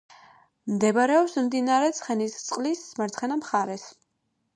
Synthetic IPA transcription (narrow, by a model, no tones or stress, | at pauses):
md̪ɛbaɾɛɔpsmd̪inaɾɛt̪sʰχɛnist̪sʼqʼlismaɾt̪sʰχɛnamχaɾɛs